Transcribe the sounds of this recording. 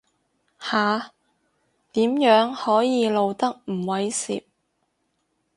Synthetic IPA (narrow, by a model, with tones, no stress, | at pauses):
haː˨ | t̪iː˨˥mjœː˨˥ŋhɔː˨˥jiː˧lo˨˧wt̪ɐ˥k̚m̩˨˩wɐ˨˥jsḭː˨p̚